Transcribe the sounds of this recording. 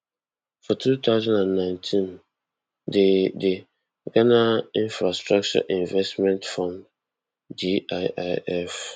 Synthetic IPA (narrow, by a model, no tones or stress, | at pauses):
fɔtʰuːt̪ʰaʊzãndãnːãɪ̃ntʰĩn | dede | ɡanaĩnfɹastɹak̚t͡ʃɔ̰ʔĩnvɛstmɛ̃ntfɔ̃n | diaɪʔaɛf